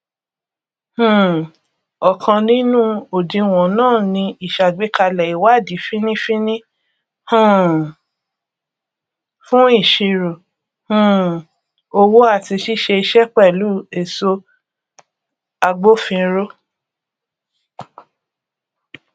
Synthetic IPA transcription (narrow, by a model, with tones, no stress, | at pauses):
hũ˦˨ | ɔ˨kʰã˧nĩ˦nũ˦o˨dĩ˧w̃ɔ̃˨nãː˦˨nĩ˧i˨ʃa˨ɡ͡be˨˦ka˧lɛ˨i˨wa˦˨di˨˦fĩ˦nĩ˦fi˦nĩ˦ | hũ˦˨ | fũ˦i˦˨ʃi˧ɾo˨ | hũ˦ | o˧wo˦a˦˨ti˧ʃi˦ʃe˧i˧ʃɛ˦k͡pɛ˦˨lu˨˦e˨so˧ | a˧ɡ͡bo˦fĩ˧ɾo˦